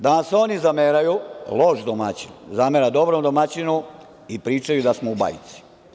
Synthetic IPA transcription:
d̪anaseo̞nizameɾajulo̞ʃd̪omat͡ɕinzameɾad̪o̞bɾomd̪o̞mat͡ɕinu | ipɾiːt͡ʃajud̪asmouba̰jḭt̪si̥

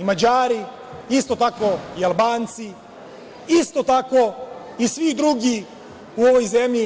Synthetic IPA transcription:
imad͡ʑaːɾi | ist̪o̞t̪ako̞ialˠbaːnt̪si | ist̪o̞t̪ako̞ | isʋid̪ɾuɡi | uoʋo̞jzemʎi

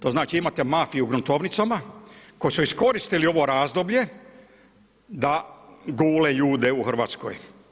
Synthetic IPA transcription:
t̪o̞ːznaːt͡ʃiimat̪e̞mafijuɡɾunt̪o̞ʋnit̪samakojisuisko̞ɾist̪ilio̞ʋo̞ɾaːzd̪o̞bʎe̞ | d̪aɡuːleʎuːd̪euxr̩ʋaːt̪sko̰j

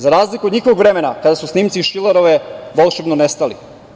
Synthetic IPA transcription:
zaɾaːzlikuod̪ɲixoʋoɡʋɾe̞menakad̪asusniːmt̪siʃileɾoʋeʋolˠʃebnonest̪alḭ

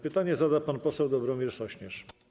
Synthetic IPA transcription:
pɘt̪aɲɛzad̪apanpɔsɛwd̪ɔbɾɔmʲjɛɾsɔɕɲɛʂ

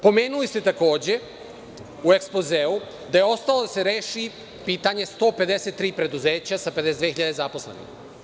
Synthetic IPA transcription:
po̞me̞ːnulist̪et̪ako̞ːd͡ʑe̞ | ue̞kspozeːu | d̪ajeo̞st̪alod̪ase̞ɾeːʃi | piːt̪aɲe̞st̪o̞ːpe̞d̪eset̪ːɾiːpɾe̞d̪uze̞ːt͡ɕasape̞d̪ed̪veiʎad̪ezapo̞slḛnḭx

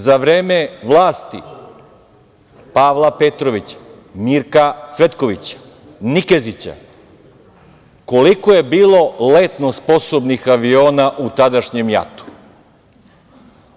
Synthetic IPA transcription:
zaʋɾeːme̞ʋlˠaːst̪ḭ | paːʋlˠape̞t̪ɾoʋit͡ɕḁ | miɾkasʋe̞t̪ko̞ʋit͡ɕḁ | nike̞zit͡ɕa̰ | ko̞likoje̞biːlˠo̞let̪nospo̞sobnixaʋio̞ːnaʔut̪ad̪aʃɲe̞mja̰t̪u̥

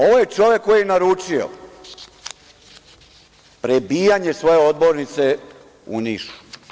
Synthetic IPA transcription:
o̞ʋojet͡ʂo̞ʋekːojijenaɾut͡ʂio̰ | pɾebiːjaɲe̞sʋo̞je̞o̞d̪bo̞ɾnit̪se̞ | ṵniːʃu̥

